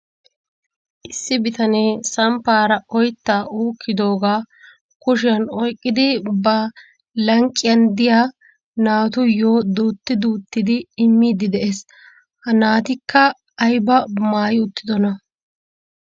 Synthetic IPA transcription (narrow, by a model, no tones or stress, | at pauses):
ʔɪsːɪbɪt̪ɐneːsɐmpːaːɾɐɔjt̪ːaːuːkʰːɪd̪o̞ːɡaː | kʊʃɪjɐnɔjkʼːɪd̪ɪbɐ | lɐŋkʼːɪjɐnd̪ɪjaː | naːt̪ʊjoːd̪uːt̪ːɪd̪uːt̪ːɪd̪ɪːmːiːd̪ɪd̪ɛʔeːs | hɐnaːt̪ɪkːɐː | jbɐmaːjɪʊt̪ːɪd̪ɔnɐ